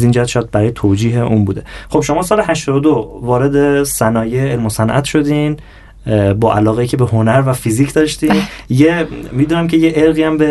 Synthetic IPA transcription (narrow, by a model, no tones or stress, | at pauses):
ziːnd͡ʒæhæt̪ʃɔjæd̪̚bæɾɒːjet̪ʰoːd͡ʒiːɦeʔuːnbuːd̪e̞χo̞b̥ʃo̞mɒːsɒːleɦæʃt̪ɒd̪od̪ovɒːɾe̞d̪e̞sænɒːjeelmosænʔæ̰t̪ʰʃo̞d̪iːn | bɒːʔælɒːɣeiːcʰe̞beɦonæɾvæfiziːcʰd̪ɒːʃt̪iːnjemiːd̪uːnæmcʲʰejeʔeɾɣiːæmbe